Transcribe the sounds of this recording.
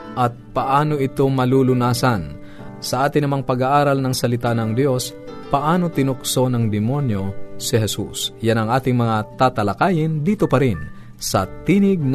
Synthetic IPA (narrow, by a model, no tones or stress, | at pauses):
ʔɐt̪̚pɐʔaːnoʔɪt̪o̞mɐlulʊnaːsɐn | sɐʔaːt̪ɪnɐmaŋpɐɡaʔaːɾɐlnɐŋsɐlɪt̪anɐŋd̪jo̞s | pɐʔaːno̞t̪ɪnʊkso̞nɐŋd̪ɪmo̞njo̞sɪɦɛsṵsjanɐŋʔaːt̪ɪŋmɐŋat̪aːt̪ɐlɐkaːjɪnd̪iːt̪opɐɾɪn | sɐ̰t̪iːnɪɡ̚n